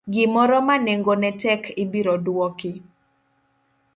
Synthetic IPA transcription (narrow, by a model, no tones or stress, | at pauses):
ɡɪmɔɾɔmaneŋɡonɛtɛkɪbiɾɔdwɔkɪ